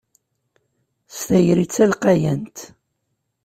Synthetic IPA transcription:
st̪æjɾit͡sːælqajænt̪

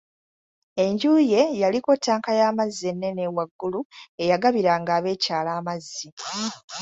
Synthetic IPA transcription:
e̞ɲɟuːje̞jaliko̞tːaːŋkajaːmazːenːe̞ne̞waɡːulue̞jaɡaβiɾaŋɡaːβe̞ːcaːlaːmazːi

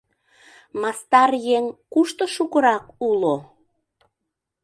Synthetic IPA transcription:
mɑst̪ɑrjeŋkuʃt̪oʃukəɾɑkulo

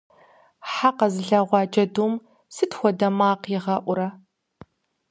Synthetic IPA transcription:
ħaqɐzɨɮɐʁʷɑːt͡ʃʼɐduːm | sɨtxʷɔdɐmaːqɪʁɐʔʷʊɾɐ

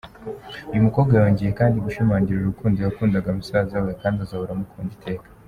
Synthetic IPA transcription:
ujumuko̞ːbɡajajo̞ːɲɟije̞kaːndiɡuʃumaːɲɟiɾuɾukuːnzijakuːndaɡamusaːzawekaːndiazaβuɾamukʰuːnditʰe̞ːkḁ

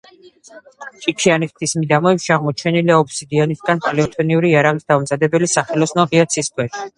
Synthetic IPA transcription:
t͡ʃʼit͡ʃʰianiχt̪ʰismid̪amɔɛpʃiaʁmɔt͡ʃʰɛniliaɔpʰsid̪ianisɡanχʼlɛɔt̪ʰʼɔniuɾiːaɾaʁisd̪amzad̪ɛbɛlisaχɛlɔsnɔʁiat̪sʰiːsk̪ʰwɛʃi̥

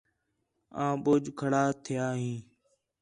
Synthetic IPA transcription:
ãːɓʊːd͡ʒkʰəɽaːt̪ʰɪjaːɦĩː

